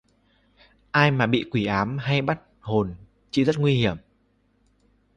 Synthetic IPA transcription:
ʔaː˧jmaː˨˩ɓḭ˧˨kwi˧˩ʔaː˨˦mɦa˧jɓa˦˥t̚ho˨˩n | t͡ɕḭ˧˩zə˦˥t̚ŋwi˧hi˧˩əm

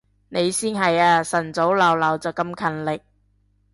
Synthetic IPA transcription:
ne˨˧jsiː˥nɦɐ˨jaː˧sɐ˨˩nt͡so˨˥wlɐ˨wlɐ˨˩wt͡sɐ˨˩wkɐ˧mkʰɐ˨nlɪ˨k̚

